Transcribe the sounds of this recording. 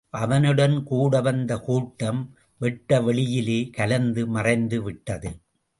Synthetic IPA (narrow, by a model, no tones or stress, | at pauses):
ʔɐʋɐnɯɽɐnkuːɽɐʋɐnd̪ɐkuːʈːɐm | ʋɛʈːɐʋɛɭɪjɪleːkɐlɐnd̪ɯmɐrɐɪnd̪ɯʋɪʈːɐðɯ